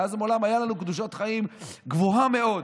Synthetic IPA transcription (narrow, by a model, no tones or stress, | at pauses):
azmolamajalanukd̪uʃ̬ot̪χaimɡvuɦame̞o̞d